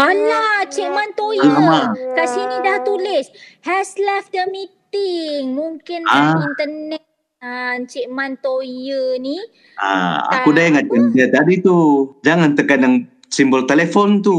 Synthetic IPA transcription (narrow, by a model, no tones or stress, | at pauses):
alaht͡ʃɛʔmant̪ojaəakasinidaht̪ulɪshɛslɛfdəmit̪ɪŋmuŋkɪnaint̪ənɛt̪̚ | ant͡ʃɛʔmant̪ojəni | a̰a̰kudaŋakanət̪adit̪ud͡ʒaŋant̪əkanaŋ | simbəlt̪elefɔnt̪u